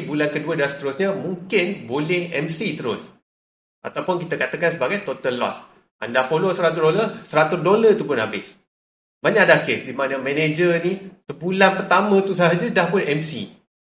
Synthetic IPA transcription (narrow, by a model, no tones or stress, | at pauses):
bulankəduədasə̥t̪əɾʊsɲamũŋkɪnbolɛhɛ̰msit̪əɾʊs | ʔa̰t̪awpʊnkit̪akat̪akans̬əbaɡajt̪ot̪əlːɔ̰s | ʔa̰ndafolosəɾat̪̬udoləsəɾat̪ʊsdolət̪upʊnɦabɪs | baɲaʔadakesdimanəmɛ̃ned͡ʒənĩsəbulanpərt̪amə̃t̪usəɦad͡ʒadahpʊnɛmsḭ